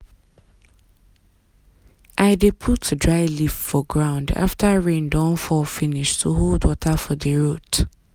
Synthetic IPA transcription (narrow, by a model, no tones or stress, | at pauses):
ʔaɪdepʰutdɹaɪliffɔɡɹãʊ̃nda̰ftʰaɹẽndãnfɔfiniʃtʰuɦolˠdwɔtʰafɔðəɹot